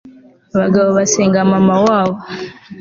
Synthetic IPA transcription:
βaɡaβoβaseːŋɡamamawaːβo

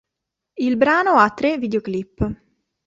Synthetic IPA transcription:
ilbɾaːnoat̪ːɾeviːd̪eoklipː

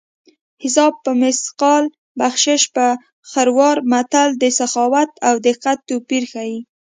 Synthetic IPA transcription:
hɪsɑb̚pəmɪsqɑl | baxʃɪʃpə | xaɾwɑɾmat̪ald̪əsaxɑwat̪awd̪ɪqːat̪ːopiɾxaji

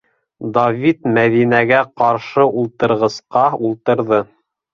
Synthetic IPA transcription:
d̪ɐvʲit̪mæðinæɡæqɑɾʃɤulˠt̪ɤ̆ɾʁɤ̆sqɑulˠt̪ɤ̆ɾðɤ

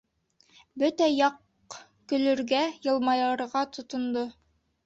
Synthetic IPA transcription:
bɵt̪æjɑq | kɵ̆lɵ̆ɾɡæjɤ̆lˠmɑjɑɾʁɑt̪ʰŏt̪ŏnd̪o

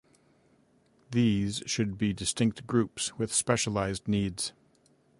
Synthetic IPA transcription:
ðiz̥ʃɨd̚bidɨstɪ̃ŋk̚t̚ɡ̥ɹʉpswɨð̥spɛʃəlaɪzⁿnidz̥

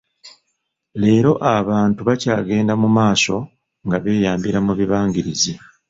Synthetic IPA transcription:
le̞ːɾo̞ʔaβaːntuβacaːɡe̞ːndamumaːso̞ | ŋɡaβe̞ːjaːmbiɾamuβiβaːŋɡiɾizi

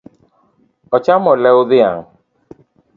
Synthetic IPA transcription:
ɔt͡ʃamɔ̃lɛoðea̰ŋ

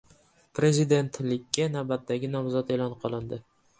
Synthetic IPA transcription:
pʰɾe̞zid̪e̞nt̪lɪkʲːanawbat̪d̪aɡʲɪnɒmzɒt̪e̞lˠɒnqʰɒlˠɪnd̪ɪ

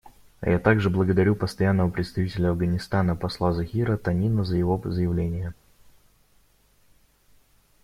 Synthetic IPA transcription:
jat̪aɡʐɨblˠəɡəd̪ɐɾʲupəst̪ɐjanːəvəpɾʲɪt̪st̪ɐvʲitʲɪlʲəɐvɡənʲɪst̪anəpɐslˠazɐxʲiɾət̪ɐnʲinəzəjɪvo̞zəjɪvlʲenʲɪjə

